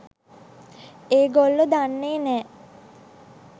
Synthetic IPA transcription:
eːɡolːəd̪anːeːnɛː

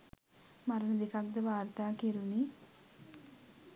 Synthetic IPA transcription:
maɾənəd̪ekak̚d̪əʋaːɾt̪aːkeɾuni

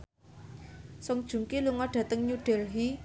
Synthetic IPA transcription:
sɔŋd̥ʒ̥ṳŋkiluŋɔɖ̥ä̤t̪əŋɲuɖ̥ɛlɦi

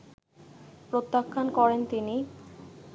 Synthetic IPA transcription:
pɾot̪ːakʰːankɔɾent̪ini

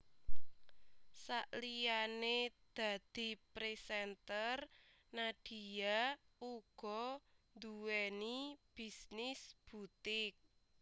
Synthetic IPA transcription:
saʔlijaned̪̥a̤d̪̥i̤pɾesɛnt̪ər | naɖ̥i̤jauɡ̥ɔnd̪uwɛnib̥i̤snɪsb̥ut̪ɪk̚

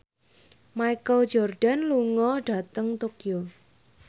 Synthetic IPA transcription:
maikəld͡ʒɔrɖ̥a̤nluŋɔɖ̥a̤t̪əŋt̪okio

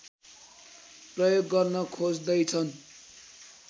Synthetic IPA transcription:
prʌjoɡːʌrnʌkʰod͡zd̪ʌjt͡sʰʌn

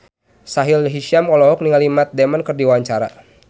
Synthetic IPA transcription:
saɦilɦiʃiamkɔlɔɦɔk̚niŋalimat̪̚dɛmankɨrdiwaɲt͡ʃaɾa̰

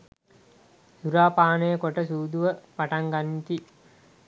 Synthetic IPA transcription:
suɾaːpaːnejəkoʈəsuːd̪uʋəpaʈaŋɡanːit̪i

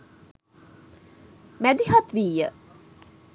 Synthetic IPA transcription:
mæd̪ihat̪ʋiːjə

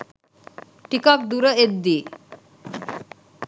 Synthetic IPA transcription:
ʈikɔk̚d̪uɾəed̪ːi

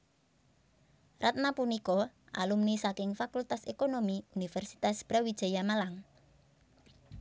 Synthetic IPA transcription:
rat̪̚napunikɔʔa̰lumnisakɪŋfakult̪asekonomiunifɛrsi̥t̪asb̥ɾawid̥ʒ̥a̤jamalaŋ

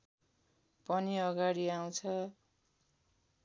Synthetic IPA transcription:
pʌniʌɡaɽiaw̃t͡sʰʌ

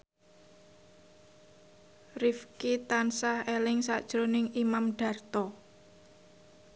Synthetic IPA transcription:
rifkit̪ansahelɪŋsa̰d̥ʒ̥ɾonɪŋimamɖ̥ä̤rt̪ɔ

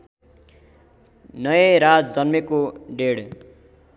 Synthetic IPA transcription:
nʌjeɾad͡zd͡zʌnmekoɖeɽ

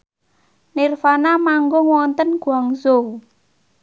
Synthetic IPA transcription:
nirfanamaŋɡoŋwɔnt̪ənɡ̥uaŋzo

